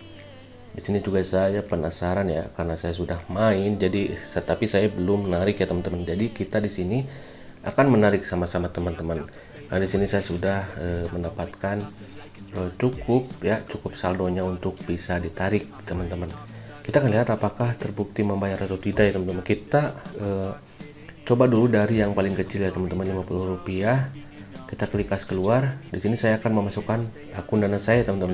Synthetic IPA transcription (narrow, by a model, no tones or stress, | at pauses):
disinid͡ʒuɡasajapənasaɾanja̰karnasajas̬udahmaɪnd͡ʒadisət̪apisajabəlʊmnaɾɪkjat̪əmənt̪əmənd͡ʒadikit̪adisini | akanmənaɾɪksamasamat̪əmənt̪əmən | kanadisinisajasudahəməndapat̪kan | ət͡ʃukʊp̚jat͡ʃukʊpsaldoɲaunt̪ʊk̚bisadit̪aɾɪk̚t̪əmənt̪əmən | kit̪aːkanliɦat̪apakaht̪ərbuk̚t̪iməmbajaɾat̪awt̪idajt̪əmənt̪əmənkit̪aə | t͡ʃobaduludaɾijaŋpalɪŋkət͡ʃɪljat̪əmənt̪əmənlimapuluhrupia | kit̪akəlikaskəluardisinisajaːkanməmasukan | akundanasajat̪əmənt̪əmə